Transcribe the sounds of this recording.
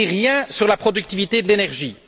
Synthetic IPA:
iʁjɛ̃syʁlapχɔd̪yk̚t̪ivit̪ed̪əlenɛʁʒi

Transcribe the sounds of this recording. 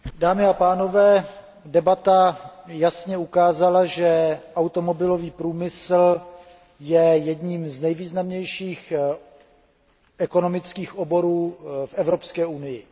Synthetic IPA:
daːmɪapaːno̞vɛː | dɛbat̪ajasɲɛukaːzalaʒɛʔawt̪o̞mo̞bɪlo̞viːpɾuːmɪsl̩ | jɛjɛdɲiːmznɛjviːznamɲɛjʃiːx | ʔɛko̞no̞mɪt͡skiːxʔobo̞ɾuːfʔɛvɾo̞pskɛːunɪjɪ

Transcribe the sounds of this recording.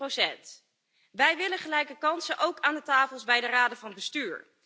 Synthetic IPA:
rowsɛnt | ʋɛjʋɪləχəlɛjkəkɑnsənʔowkaːndətaːfəlˠzbɛjdəraːdəvɑnbəstyːɹ

